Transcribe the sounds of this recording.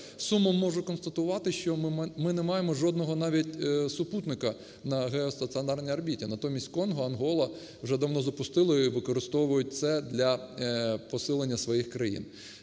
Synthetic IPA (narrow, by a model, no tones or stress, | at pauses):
sumːɔmːɔʒʊkɔnst̪ɐt̪ʊʋɑt̪ɪʃt͡ʃɔmɪnɛmɑjemɔʒɔd̪nɔɦɔnɑʋʲitʲsʊput̪nɪkɐ | nɐɦɛɔst̪ɐt̪sɨɔnɑrnʲijɐrbʲitʲinɐt̪ɔmʲisʲtʲkɔnɦɔɐnɦɔlˠɐ | wʒɛd̪ɐwnɔzɐpʊst̪ɪlˠɔiʋɪkɔɾɪst̪ɔʋʊjʊt̚ʲt̪sɛd̪lʲɐ | pɔsɪlˠenʲːɐsʋɔjixkɾɐjḭn